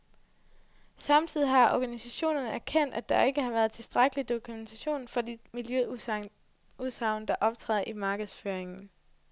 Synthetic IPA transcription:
sɑ̈mt͡sʰið̰ˠiɦɑ̈ʔɒɡ̥ænisæɕo̝̰ːnɐnəæɐkʰen̰d̥æd̥ɑ̈e̝ɡ̥əhɑ̈ʋæːɐð̞̩ˠt͡sʰe̝lsd̥ʁaɡ̥əlid̥o̝kʰument͡sʰæɕo̝̰ːnfɒ̽d̥imiljø | uðˠsɑ̈ʊ̰nəd̥ɑ̈ʔɒ̽b̥t͡sʰʁɛ̰ːðˠɐʔimɑ̈ːɡ̥əð̩ˠsføːɐeŋn̩

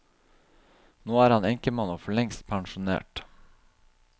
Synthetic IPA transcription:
noːæːɾɑnɛŋkəmɑnoːfɔɭɛŋst̪pʰɑŋʃʊnḛːʈ

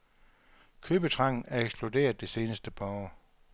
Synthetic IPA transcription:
kʰøːb̥ət͡sʰʁɑ̈ŋ̰n̩æɐeɡ̥sb̥lude̝̰ːɐðˠd̥e̝se̝ːnəsd̥əpʰaɒː

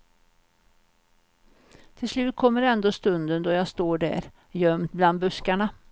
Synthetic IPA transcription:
t̪ʰɪlslʉ̟ːt̪̚kʰɔmːəɾɛnd̪oːst̪ɵnd̪ənd̪ɔjɑːst̪oːɖæ̰ɾ | jœmt̪̚bland̪̚bɵskaɳa

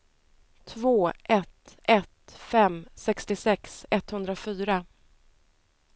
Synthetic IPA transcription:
t̪ʰvoːʔɛt̪ɛt̪fɛmsɛkst̪ɪsɛksɛt̪hɵnd̪ɾafyːɾa

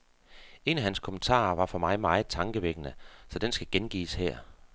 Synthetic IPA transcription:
e̝næɦænskʰo̽mənt͡sʰɑ̰̈ːʋɑ̈fɒ̽mɑ̈ɪmɑ̈ːð̩ˠt͡sʰɑ̈ŋɡ̥əʋeɡ̥ənəsɒ̽d̥ensɡ̥æɡ̥enɡ̥ḭːshɛɐ̰

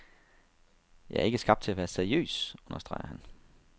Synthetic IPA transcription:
jɑ̈ɪɐe̝ɡ̥əsɡ̥ɑ̈b̥d̥t͡sʰe̝læʋæːɐseɐijø̰ːsɔ̽nɐsd̥ʁɑ̈ɪɐhæn

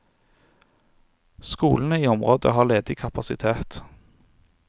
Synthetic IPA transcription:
skṵːln̩əiːɔmʁoːd̪ə̰hɑːʁleːd̪ɪkʰɑpɑsɪt̪ʰeːt̪

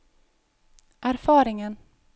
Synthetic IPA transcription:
ʔæɾfɑːɾɪŋən

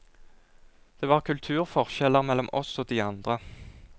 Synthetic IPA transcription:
d̪̥eːʋɑːʁkʰʉlt̪ʰʉːʁfɔʁʃɛləʁmɛlːɔmʔɔsoːd̪iːɑnd̪ʁə

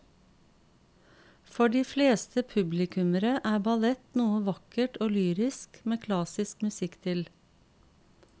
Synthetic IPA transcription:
fɔɖiːfleːst̪ʰəpʰʉblɪkʰʉməɾəʔæːbɑlɛt̪nuːəʋɑkəʈoːlyːɾɪskmeːkʰlɑsɪskmʉsɪkt̪ʰɪl

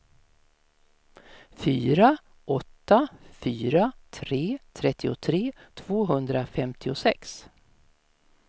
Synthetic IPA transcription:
fyːɾa | ʔɔt̪ːafyːɾat̪ʰɾeːt̪ʰɾɛt̪ʰːɪʊt̪ʰɾeːt̪ʰv̥oːɦɵnd̪ɾafɛmt̪ʰɪʊsɛks

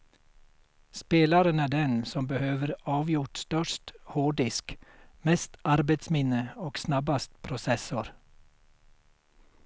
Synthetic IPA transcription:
speːlɑɾənæːɖɛnsɔmbəhøːʋəɾɑːʋjʊʈst̪œʃthoːɖɪskmɛst̪ʔɑɾbet̪smɪnəoːɡ̥snɑbɑst̪̚pʰɾʊsɛsʊɾ

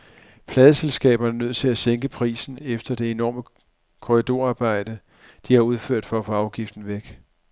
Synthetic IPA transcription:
pʰlɛːðˠəselsɡ̥ɛ̰ːb̥ɐnənøð̞̰ˠt͡sʰe̝læseŋɡ̥əpʰʁḭːsn̩efd̥ɐd̥e̝enɒ̰ːmə | kʰɔʁid̥o̝ɐ̰ɑ̈ːb̥ɑ̈ɪ̰d̥ə | d̥ihɑ̈uð̞ˠføɐ̰d̥fɒæfɒ̽ɑ̈ʊɡ̥ifd̥n̩ʋeɡ̥

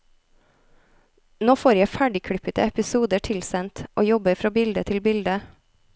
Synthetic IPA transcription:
noːfoːɾjæfæɖɪkʰɽʏpət̪əɛpɪsuːd̪əʈʰɪlsɛnt̪ʔoːjɔbəɾfɾɑːbɪld̪ət̪ʰɪlbɪld̪ə

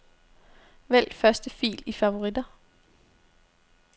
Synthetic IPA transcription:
ʋel̰d̥fɶɐsd̥əfḭːlifɑʋo̝ʁid̥ɐ

